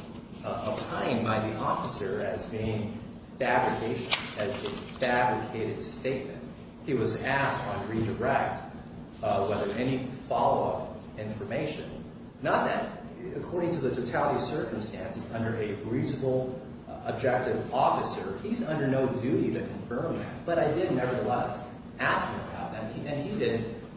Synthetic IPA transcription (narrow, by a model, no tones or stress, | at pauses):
əpʰãɪɪ̃ŋbãɪ̃nðiʔɔfəsə˞ɨzbiɪ̃ŋ | fæbɹɨkʰeɪʃɨ̃nɨzɨfæbɹɨkʰeɪɾɨd̥steɪt̚mɨ̰̃nt̚ | hiwʌzæstn̩ɡɹiɾə˞ɛk̚t | wɛðə˞ʔɛñifɑlˠoʊʌp | ɪ̃ɱfə˞meɪʃɨ̃nː | ət̪̚ðɨt̚ | ɨkʰɔɹɾɪ̃ŋtʰɨðɨtʰoʊtʰælˠəɾiʌv̥sɜ˞km̩stæ̃nsɨzʌ̃ndə˞ʔɨɹizəbl̩ˠ | əb̚d͡ʒɛk̚tɨvɔfɨsə˞izʌ̃ndə˞noʊdʉɾiɾɨkʰɨ̃ɱfɜ̃˞mðɨ̰t̚b̥ʌɾaɪdɪdⁿnɛvə˞ðəlɛs | æskməbaʊt̪̚ðɨ̃mʔɨ̃nidɪd̚